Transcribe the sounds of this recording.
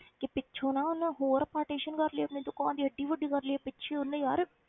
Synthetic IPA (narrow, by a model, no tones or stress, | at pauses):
kɪpɪtːt͡ʃʰõːnãːʊnːɦoːɾpaːɾʈeːʃənkəɾləeːpniːd̪ʊkãːnd̪iːəɖːiːʋəɖːiːkəɾleːpɪt͡ʃʰeːʊnːejaːɾ